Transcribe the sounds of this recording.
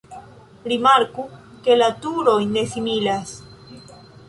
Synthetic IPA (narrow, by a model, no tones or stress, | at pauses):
ɾimaɾku | kelat̪uɾojnːesimilas